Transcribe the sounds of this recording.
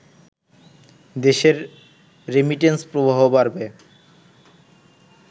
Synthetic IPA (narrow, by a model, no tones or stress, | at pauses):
d̪eʃeɾː | emiʈenspɾobʱaɦobaɾbe